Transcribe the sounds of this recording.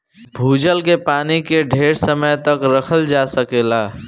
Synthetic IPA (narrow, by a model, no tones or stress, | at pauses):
bʱud͡ʒəlkepanikeɖʱeɾsəməjt̪əkɾəkʰəld͡ʒasəkela